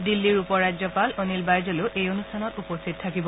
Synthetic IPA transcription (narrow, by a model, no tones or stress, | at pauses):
dilːiɹupɔɹːazjɔpalonilbajzolʊʔejonustʰanɔtupostʰit̚tʰːakibɔ